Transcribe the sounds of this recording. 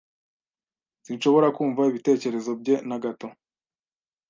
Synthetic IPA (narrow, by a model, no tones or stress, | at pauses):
sinʃo̞βo̞ɾakuːɱvaiβite̞ːce̞ɾe̞zo̞b̚ɟe̞naɡato̞